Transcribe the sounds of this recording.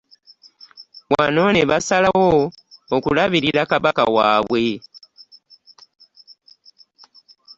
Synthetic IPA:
βwa̰no̞neβasalawoː | kulaβiɾiɾakaβaka̰waːβwe̞

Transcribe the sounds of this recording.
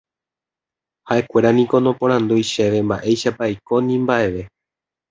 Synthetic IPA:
haʔe̞kʷe̞ɾanĩko̞nõ̞põ̞ɾ̃ãnd̪ujʃe̞ʋe̞mba̰ʔe̞jʃapajko̞nĩmbaʔe̞ʋe̞

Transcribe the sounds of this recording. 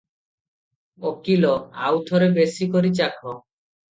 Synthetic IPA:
okilɔa̰wt̪ʰɔɾebesikoɾit͡ʃakʰɔ

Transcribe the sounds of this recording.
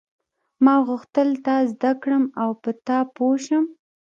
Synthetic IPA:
mɑɣʊxt̪əlt̪ɑzd̪akɽəmawpət̪ɑpoʃəm

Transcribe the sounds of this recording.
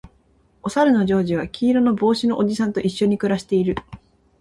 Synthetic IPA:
o̞saɾɯ̟no̞ʑo̞ːʑiβ̞akʲiːɾo̞no̞bo̞ːɕino̞ʔoʑisãnt̪o̞ʔiɕːo̞ɲ̟ikɯ̟ɾaɕi̥t̪e̞iɾɯ̟

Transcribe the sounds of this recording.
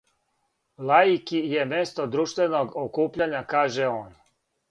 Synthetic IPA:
lajikije̞mest̪o̞d̪ɾuʃt̪ʋe̞noɡokuːpʎaɲakaːʒeoːn

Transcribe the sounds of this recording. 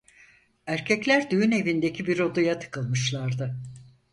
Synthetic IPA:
æɾcʰɛclʲæɾd̪yjyne̞vind̪e̞cʰibiɾo̞d̪ujat̪ʰɯ̥kʰɯlˠmɯʃlˠaɾd̪ɯ

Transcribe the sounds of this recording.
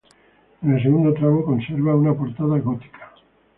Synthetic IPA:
enelseɣund̪ot̪ɾaβoko̞nseɾβaunapo̞ɾt̪aðaɣot̪i̥kʰḁ

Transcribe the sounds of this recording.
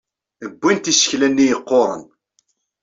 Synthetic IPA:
əbʷːint̪isə̥çlænːijəqːoɾˤə̰n

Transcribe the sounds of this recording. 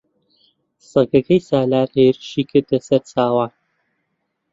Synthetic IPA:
sɐɡɐkʰɐjsaːlaːɾheːɾɨʃiːkʰɨɾd̪lɐsɐɾt͡sʰaːwaːn

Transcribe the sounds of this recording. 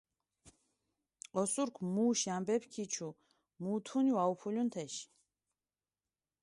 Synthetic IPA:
qɔsuɾkʰmuːʃiambɛpʰkʰit͡ʃʰu | mut̪ʰuniwaupʰulʲunt̪ʰɛʃ

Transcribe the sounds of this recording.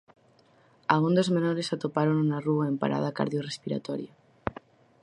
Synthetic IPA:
aɣund̪ozmẽnoɾesat̪opaɾonunaruaempa̰ɾʔa̰ð̞aka̰ɾðjorespiɾa̰t̪oɾja

